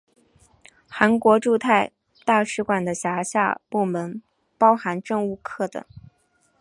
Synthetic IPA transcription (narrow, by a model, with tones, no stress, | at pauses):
xa˧˥nkwɔ˧˥ʈ͡ʂu˥˧t̪ʰa˥˧ɪ | t̪a˥˩ʂɻ̩˧˥kwa˨˩nd̪ə˦ɕja˧˥ɕja̰˥˧pu˥˩mə˧˥n | pɑ˥ʊxa˧˥nʈ͡ʂɤ˥˧ŋu˥˩kʰɤ˥˩d̪ə̰˨˩ŋ